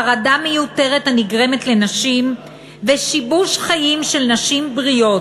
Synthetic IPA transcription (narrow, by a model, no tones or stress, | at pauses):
aʁadame̞jute̞ʁethaniɡʁe̞me̞tle̞naʃim | veʃibuʃχajimʃe̞lnaʃimbʁio̞t